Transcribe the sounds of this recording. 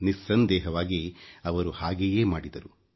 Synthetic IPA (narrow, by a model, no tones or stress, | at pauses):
nisːɐnd̪ɛːɦɐʋaːɡiɐʋɐɾuhaːɡejeːmaːɽid̪ɐɾu